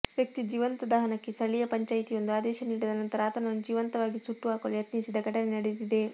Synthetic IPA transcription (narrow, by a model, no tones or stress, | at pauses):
ʋjɐk̚t̪id͡ʒiːʋɐnt̪ɐd̪ɐɦɐnɐkːest̪ɐɭijɐpɐɲt͡ʃaːjit̪ijo̞nd̪uaːd̪ɛːʃɐniːɽid̪ɐnɐnt̪ɐɾaːt̪ɐnɐnud͡ʒiːʋɐnt̪ɐʋaːɡisuʈːuaːkoljɐt̪nisid̪ɐɡʱɐʈɐnenɐɽejud̪id̪e̞